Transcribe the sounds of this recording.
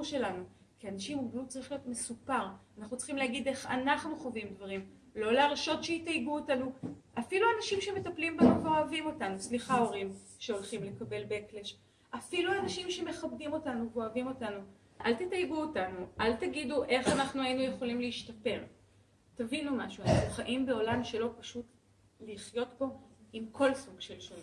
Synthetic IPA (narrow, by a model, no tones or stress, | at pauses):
uʃe̞lanu | kianaʃimubnut͡saʁiχlijo̞tme̞supaʁanaχnut͡sl̥χimlehaɡid̪e̞χa̰naχnuχovimd̪vaʁim | lo̞leaʁʃo̞tʃeitajbuotanuʔafiluanaʃimʃe̞me̞taplimbemaveo̞avimo̞tanusliχao̞ʁimʃe̞o̞lχimle̞kabe̞lbeekleʃ | ʔafiluanaʃimʃe̞me̞χab̚dimo̞tanuvoavimo̞tanu | ʔa̰lt̪itajbuotanuʔaltaɡiduʔe̞χanaχnuainujeχo̞limleiʃtɐpe̞ʁ | tavinumaʃuanaχnuχaʔimbe̞o̞lamʃe̞lo̞paʃut | liχjo̞tbo̞imkʰo̞lsuɡʃelʃol